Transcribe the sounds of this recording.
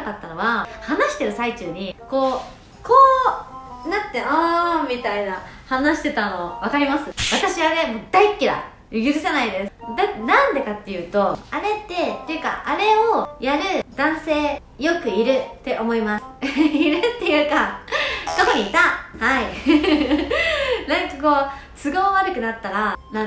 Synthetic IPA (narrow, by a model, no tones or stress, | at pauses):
kat̪ːano̞βahanaɕi̥t̪e̞ɾɯ̟sait͡ɕɨːɲ̟iko̞ː | kʰoː | nat̪ːe̞amʲit̪ainahanaɕi̥t̪e̞t̪ano̞βakaɾʲimasɨβat̪aɕiβane̞mod̪aikʲːid̪a̰ | jɯɡʲɯɾɯ̟sanaid̪e̞sɨd̪anãnd̪e̞kat̪ːe̞jɯ̟ːt̪o̞aɾe̞t̪ːe̞t̪ːe̞jɯ̟ka̰ʔaɾe̞ojaɾɯ̟d̪̥ãɰ̃se̞ː | jo̞kɯ̟iɾɯ̟t̪ːe̞ʔo̞mo̞imasɨ̥iɾɯt̪ːe̞jɯ̟ːka | t̪o̞ko̞ɲ̟iːt̪ahai | nãŋkako̞ːt͡sɨɡoːβaɾɯ̟kɯ̟nat̪ːaɾana